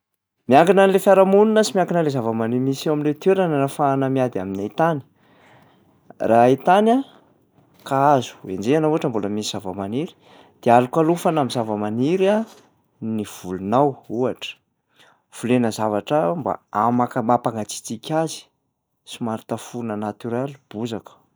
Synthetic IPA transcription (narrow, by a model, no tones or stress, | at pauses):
miaŋɡinanlefjaɾamununəsimiaŋɡinəlezavəmanimisaminlet̪eɾananafaːnəmiad̪iaminait̪ani̥ | rait̪ana | kaazu̥ḛnd͡zeanauaʈ͡ʂəmboləmisi̥z̥avəmaniɾi̥ | d̪̥ealukalufanamizavəmaniɾa | niv̥ulunawuaʈ͡ʂə̥ | v̥ulenəzavaʈ͡ʂamba̰amakmapaŋɡat͡si̥t͡sikʲazi̥ | simaɾit̪afunənat̪uɾalb̥uzakə̥